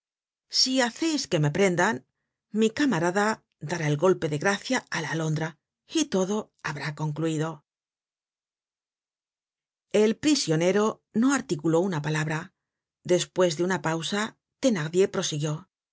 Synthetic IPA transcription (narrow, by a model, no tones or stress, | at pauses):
siaθe̞jske̞me̞pɾe̞nd̪an | mikamaɾaða | ðaɾae̞lɣo̞lpe̞ðe̞ɣɾaθjaalaːlo̞nd̪ɾa | it̪o̞ðo̞ | aβɾako̞ŋkluiðo̞ | e̞lpɾisjo̞ne̞ɾo̞ | no̞aɾt̪ikulo̞unapalaβɾa | ðe̞spwe̞zðe̞unapawsa | t̪e̞naʁðje̞pɾo̞siɣjo̞